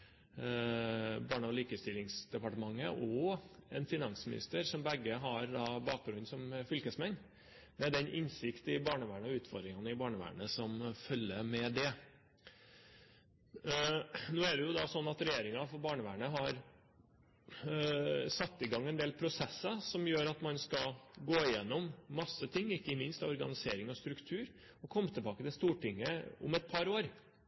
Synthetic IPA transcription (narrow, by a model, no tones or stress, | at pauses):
bɑːɳəɔliːkəst̪ɪlːɪŋsd̪ɛpɑʈəmɑŋːəʔɔɛnfɪnɑnsmɪ̰nɪ̰st̪əɾsɔmbæɡːəɦɑɾd̪ɑːbɑːk̚bɾʉnːsɔmfʏlkəsmɛn | mɛd̪ɛnʔɪnsɪkt̪ɪbɑːɳəʋæːɳəɔʉːt̪fɔɾd̪ɾɪŋɑnəɪbɑːɳəʋæ̰ːɳəsɔmfœlːəmɛd̪ɛ | noːæɖɛjʊd̪ɑsɔnːɑt̪ɾɛjeːɾɪŋɑfɔbɑːɳəʋæ̰ːɳəɦɑɾ | sɑt̪ːɪɡɑŋːɛnd̪eːlpʰɾʊsɛsːɑsɔmjøːɾɑt̪mɑnskɑɡoːɪjɛnːɔmːɑsːət̪ʰɪŋːɪkːəmɪnst̪ɑʋɔɾɡɑ̰nɪseːɾɪŋɔst̪ɾʉkt̪ʰʉːɾ | ɔkʰɔmːət̪ʰɛbɑːkət̪ɪlst̪uːʈɪŋːəʊ̰mɛt̪̚pʰɑɾoːɾ